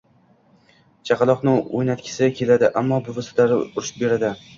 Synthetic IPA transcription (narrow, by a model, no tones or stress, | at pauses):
t͡ʃʰɑqɑlˠɒqnɪojnat̪kʲʰɪ̥sɪakʲʰe̞lad̪ɪʔamːɒbʊvast̪laɾɪʊɾʃɪ̥p̚be̞ɾad̪ɪ